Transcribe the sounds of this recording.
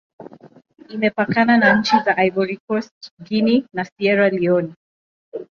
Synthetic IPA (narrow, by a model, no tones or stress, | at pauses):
imɛpakananaɲ̩t͡ʃizaʔajbɔɾikɔstɡininasiɛɾaliɔni